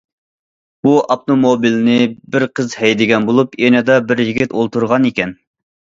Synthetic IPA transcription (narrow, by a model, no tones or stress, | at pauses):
buʔɑp̚t̪omobilnɪbɪɾqʰəzhɛjd̪ɪɡʲɛnbolˠupjɛnɨd̪ɑbɪɾjiɡʲit̪olˠt̪uɾʁɑnikʲɛn